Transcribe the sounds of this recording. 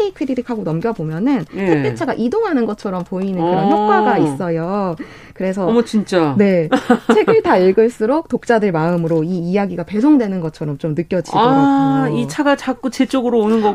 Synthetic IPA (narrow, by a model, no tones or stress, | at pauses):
ikʰɯɾiɾikʰaɡonʌmɡjʌbomjʌnɯntʰeet͡ɕʰaɡaʔidoŋɦanɯnɡʌt͡ɕʰʌɾʌmpoinɯnkɯɾʌnçjʌok̚k͈waɡais͈ʌjo | kɯɾe̞sʰʌt͡ɕint͡ɕ͈ane̞eɡɯɭtaiɭɡɯɭs͈ɯɾok̚t͈ok̚t͡ɕ͈adɯɭmaɯmɯɾoiːjaɡiɡape̞s̬ʰoŋdwe̞nɯnɡʌt͡ɕʰʌɾʌmt͡ɕomnɯk͈jʌd͡ʑia | it͡ɕʰaɡat͡ɕak̚k͈ut͡ɕet͡ɕ͈oɡɯɾoonɯnɡʌ